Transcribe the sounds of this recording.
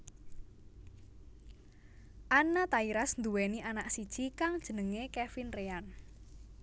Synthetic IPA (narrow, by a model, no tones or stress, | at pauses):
ʔanat̪aiɾasnd̪uwɛniʔanaʔsid̥ʒ̥ikaŋd̥ʒ̥ənəŋekɛfinrean